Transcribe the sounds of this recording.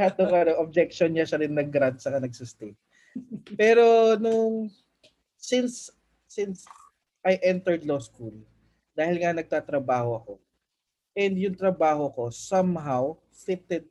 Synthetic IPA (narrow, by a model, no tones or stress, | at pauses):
hat̪̚nʊŋɐnoʔob̚d͡ʒɛk̚ʃonɲɐʃɐɾɪnːɐɡɾand̪̚sɐkɐnɐɡ̚sʊst̪en | pɛːɾonʊŋ | sɪns | sɪns | ʔɐjʔɛnt̪ɛɹd̪loskul | d̪aːhɪlŋɐnɐɡ̚t̪aːt̪ɾɐbaːho̞ɐko̞ | ʔɛnd̪jʊŋt̪ɾɐbaːɦoɐko̞sɐmɦaw | fɪt̪ɛd̪̚